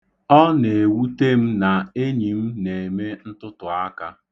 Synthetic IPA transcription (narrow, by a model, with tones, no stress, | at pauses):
ɔ˦ne˨e˨wu˦te˦m̩˦na˨e˦ɲi˨m̩˦ne˨e˨me˦n̩˦tʊ˦tʊ˨a˦ka˦